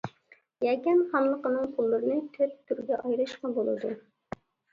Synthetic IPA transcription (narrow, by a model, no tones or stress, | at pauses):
jɛkʲɛnχɑnlˠəqənɨŋpʰulˠːɨɾɨnɨkʲʰøp̚t̪ʰːyɾɡʲɛʔɑjɾɨʃqɑbolˠɨ̰d̪u